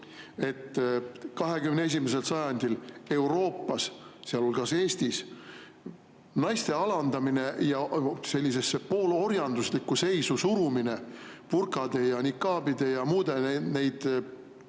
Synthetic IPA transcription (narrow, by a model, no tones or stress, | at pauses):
e̞t̪ːˑkɑɦe̞kymnee̞s̬ʲimes̬e̞lsɑjɑnʲd̪̥ile̞wɾo̞ːpːˑɑsseɑlo̞lɡ̥ɑse̞ːst̪is | nɑjst̪e̞ɑlɑnd̪̥ɑmine̞jɑse̞lʲːise̞sːepo̞ːlo̞rjɑnd̪uslikːˑuse̞jsusuɾumine̞purkˑɑd̪̥e̞jɑnikːˑɑːbid̪̥e̞jɑmuːd̪̥e̞nejd̪̥